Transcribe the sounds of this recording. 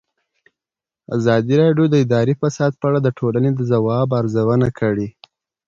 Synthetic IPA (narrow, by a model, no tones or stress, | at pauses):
a̰zɑd̪iɾɑɖjod̪əɪd̪ɑɾifasɑd̪̚pəaɽad̪əʈʰolaned̪əzawɑbaɾzawənakʰəɽi